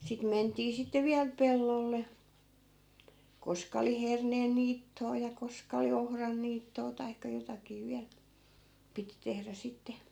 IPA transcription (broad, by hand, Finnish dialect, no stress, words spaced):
sit mentiː sitːe ʋiæl pelːolːe koskɑ oli herneːn niːtːoɑ jɑ koskɑ oli ohrɑn niːtːoː tɑikːɑ jotɑkiː ʋiæl piti tehræ sitːe